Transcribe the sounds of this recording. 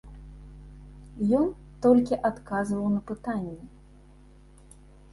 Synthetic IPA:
jɔn | t̪ɔlʲkʲiʔat̪kazvɐwnɐpɨt̪anʲːɛ

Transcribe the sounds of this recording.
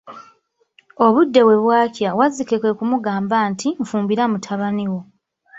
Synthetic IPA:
o̞βudːe̞we̞βwaːcjawazikekwe̞kumuɡaːmbantiɱfuːmbiɾamutʰaβaniwo̞

